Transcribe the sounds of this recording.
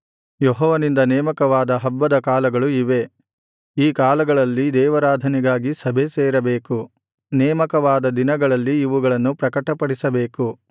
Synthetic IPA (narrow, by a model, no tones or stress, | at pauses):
jɔɦɔːʋɐnind̪ɐnɛːmɐkɐʋaːd̪ɐɦɐbːɐd̪ɐkaːlɐɡɐɭuiʋe̞ | iːkaːlɐɡɐɭɐlːid̪ɛːʋɐɾaːd̪ʱɐniɡaːɡisɐbʱe̞seːɾɐbeːku | nɛːmɐkɐʋaːd̪ɐd̪inɐɡɐɭɐlːiːʋuɡɐɭɐnːupɾɐkɐʈɐpɐɽisɐbeːku